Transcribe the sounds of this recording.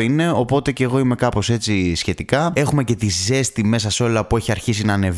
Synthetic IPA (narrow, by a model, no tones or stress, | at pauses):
ine̞o̞po̞t̪e̞ce̞ːɣo̞ime̞kɐpo̞se̞t͡sisçe̞t̪ikɐe̞xume̞ce̞t̪ize̞st̪ime̞s̬ɐseo̞lɐpue̞çiɐɾçis̬inɐːne̞v